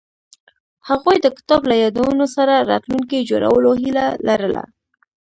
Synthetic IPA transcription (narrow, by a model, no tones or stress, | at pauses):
haɣujd̪əkɪ̥t̪ɑblajɑd̪awunosaɾaɾɑ̰t̪luŋkid͡ʒoɾa̰wəloɦilalaɾəla̰